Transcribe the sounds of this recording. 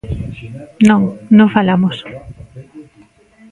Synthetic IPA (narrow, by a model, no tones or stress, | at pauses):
nõŋnõfalamos